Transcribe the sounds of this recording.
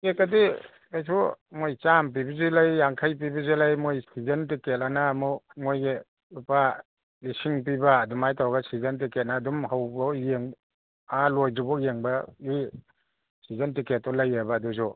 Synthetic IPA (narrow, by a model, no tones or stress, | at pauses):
kekːadi | kajsʰumojt͡ʃamp̬ibizilajːaŋkʰajp̬ibizilajmojsizɐntiketanamɔmojɡe | upa | lisiŋp̬ibaːdumajtʰawɡasizɐnt̬iket̚naːdumhawbɔjeŋ | alojdubɔkjeŋbai | sizantiket̚ːɔlajabaːdusu